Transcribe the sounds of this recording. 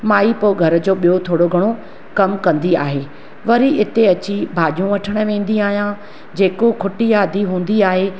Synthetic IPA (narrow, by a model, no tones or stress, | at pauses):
maːipoːɡʱɐɾə̆d͡ʑoːɓijot̪ʰoːɽoɡʱɐɽ̃o | kɐmkɐ̃nd̪iaːɦeː | ʋɐɾiɪt̪eɐt͡ɕibʱaːʄijũʋɐʈʰəɽ̃ə̆ʋẽːn̆d̪iaːɦijã | d͡ʑeːkokʰʊʈijaːd̪ʱiɦũːn̆d̪iaːɦe